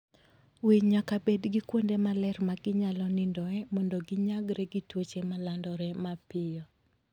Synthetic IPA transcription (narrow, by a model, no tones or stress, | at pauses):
wiɲːakabedɡɪkwondemalɛɾmaɡɪɲalɔnɪndɔɛmɔndɔɡɪɲaɡɾɛɡitwot͡ʃemalandɔɾɛmapɪɔ